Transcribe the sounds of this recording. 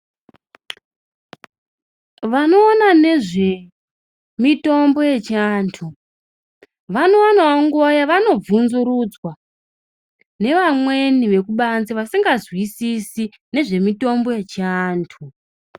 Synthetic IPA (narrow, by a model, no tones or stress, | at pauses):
ʋano̞ːnane̞ʐe̞ | mito̞mbo̞je̞t͡ʃiaːntʰu | ʋano̞anaoŋɡuajaʋano̞b͡vunzuɾud͡zwa | ne̞ʋamwe̞niʋe̞kuɓanziʋasiŋɡazwisisi | ne̞ʐe̞mito̞mbo̞je̞t͡ʃiaːntʰu